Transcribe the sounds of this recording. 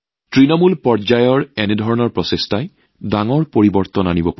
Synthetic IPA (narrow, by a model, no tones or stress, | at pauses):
tɹinɔmulpɔɹd͡ʒajɔɹɛnɛdʱɔɹɔnɔɹpɹɔsestaj | daŋɔɹpoɹibɔɹt̪ɔnanibɔpa